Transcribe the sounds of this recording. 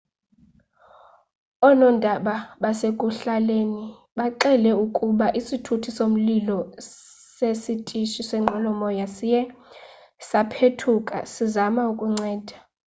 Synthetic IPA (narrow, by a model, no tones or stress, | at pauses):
ɔnɔndʱaɓaɓasekʼuɬaleːni | ɓaǃɛlɛukʼuɓaʔisitʰutʰisom̩lilɔ | sesitʼiʃisɛŋ͡ǃʱɔlɔmɔjasijɛ | sapʰetʰukʼa̰sizamaukʼuŋ͡ǀɛːd̥ʱa